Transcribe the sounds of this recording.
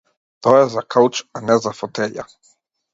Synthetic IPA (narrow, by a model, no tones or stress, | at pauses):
t̪ɔjɛzakʰawt͡ʃanɛzafɔt̪ɛʎa̰